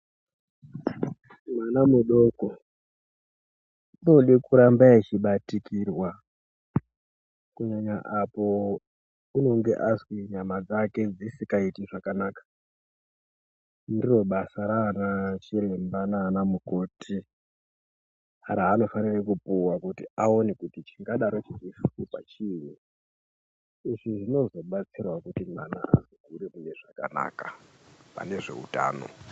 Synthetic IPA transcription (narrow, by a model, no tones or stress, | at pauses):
mwanamuɗoko | noɗekuɾambaet͡ʃiɓatikirwa | kuɲaɲaʔapo̞ | uno̞ŋɡe̞̰ʔaswiɲamad͡zake̞d͡zisikaitiʐakanaːkḁ | ndiro̞ɓasaɾanat͡ʃilembanaːnamuko̞ːtʰi | aɾaːno̞fanirekupuwakutiao̞nekutit͡ʃiŋɡaɗaɾot͡ʃirifupa̰t͡ʃiːwi | iʐiʐino̞zo̞ɓat͡sirwakutim̤ana̰ʔa̰ziɡʱuɾemune̞ʐaka̰na̰ːkapa̰ne̞ʐe̞̰ṵta̰ːno̞̰